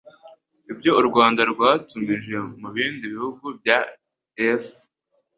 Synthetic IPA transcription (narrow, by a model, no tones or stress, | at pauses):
ibjo̞uɾɡwaːndaɾɡwaːtumɡiʒe̞muβiːndiβihuɡubja | es